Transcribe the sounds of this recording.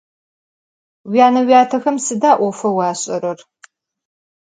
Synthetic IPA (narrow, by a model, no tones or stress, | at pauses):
wjaːnɐwjaːtʰɐxɐmsɨdaːʔʷɔfɐwɑːɕʼɐɾɐr